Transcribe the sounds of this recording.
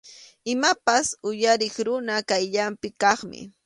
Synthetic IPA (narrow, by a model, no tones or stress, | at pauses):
ɪmapasʊjaɾɪχɾʊnakajʎampɪkɑχmɪ̰